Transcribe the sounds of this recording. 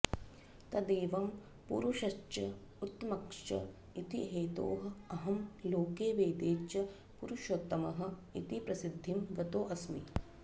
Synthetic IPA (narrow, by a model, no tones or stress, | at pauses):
t̪ɐd̪eːʋɐm | pṵɾuʃɐt͡ʃɐ | ut̪ːmɐkʂɐ̰ | it̪iɦeːt̪o̰ːɦɐ̆ɐɦɐmloːkeːʋeːd̪eːt͡ʃɐ | puɾuʃot̪ːɐmɐɦɐ̆it̪ipɾɐsid̪ʱːimɡɐt̪oːʔɐsmḭ